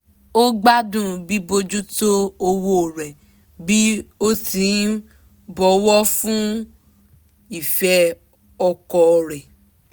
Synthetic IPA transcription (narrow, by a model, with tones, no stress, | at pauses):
o˦ɡ͡ba˦dũ˦˨bi˦bo˧d͡ʒu˦to˦o˧wo˦˨ɾɛ˨ | bi˦o˦tĩ˨˦ | bɔ˨˦wɔ˦fũ˦ | i˦˨fɛ˧ | ɔ˧kɔ˧ɾɛ˨